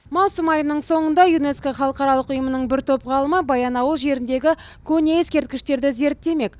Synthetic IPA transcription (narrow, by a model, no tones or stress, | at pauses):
mɑwsəmɑjənəɴso̞ɴənd̪ɑjune̞skaχɑlˠəqɑɾɑlˠəqʊjəmənəɴbɪɾt̪ʰopʁɑlˠəməbɑjɑnɑwəlˠʒe̞ɾɪnd̪e̞ɡʲɪ | kʲʰɵne̞e̞skʲe̞ɾt̪̚kʲɪʃt̪e̞ɾd̪ɪze̞ɾt̪ːe̞me̞k